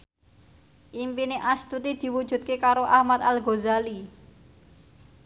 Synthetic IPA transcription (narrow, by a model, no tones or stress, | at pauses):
ʔimpineʔast̪ut̪id̪̥i̤wud̥ʒ̥ṳt̪̚kekaɾoʔahmat̪alɡozali